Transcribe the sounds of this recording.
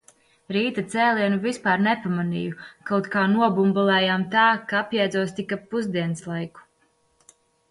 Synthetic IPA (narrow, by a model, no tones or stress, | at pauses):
ɾiːt̪at̪sɛːlʲiɛnuvispaːɾnɛpamanḭjukawt̪kaːnuɔbumbalˠɛːjamt̪aːkaapjɛːd̪zuɔst̪ikapːuzd̪iɛnslˠajku̥